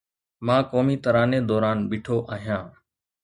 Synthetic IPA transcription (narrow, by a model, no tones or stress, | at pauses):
mãːkoːmiːt̪əɾaːneːd̪ɔːɾaːnbɪːʈʰoːʔaːɦijãː